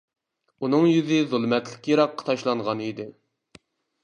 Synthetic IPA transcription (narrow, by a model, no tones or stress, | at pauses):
unɨŋjyzɪðulˠmɛt̪lɪkʲjeɾɑqːɑ̥t̪ʰɑʃlˠɑɴʁɑnid̪ɪ